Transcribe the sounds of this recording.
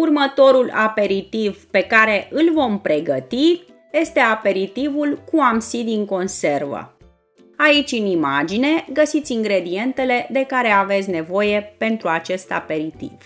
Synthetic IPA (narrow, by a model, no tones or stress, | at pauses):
urmət̪o̞ɾula̰pe̞ɾit̪ivpe̞kaɾe̞ʔɨlvo̞mpɾe̞ɡət̪i | je̞st̪e̞ape̞ɾit̪ivulkuamsid̪iŋko̞nse̞rvə̰ | ait͡ʃʲɨnimad͡ʒine̞ɡəsit̪sʲiŋɡɾe̞d̪ie̞nt̪e̞le̞d̪e̞kaɾe̞ave̞t̪sʲne̞vo̞je̞pe̞nt̪ɾuat͡ʃe̞st̪a̰pe̞ɾit̪ḭv̥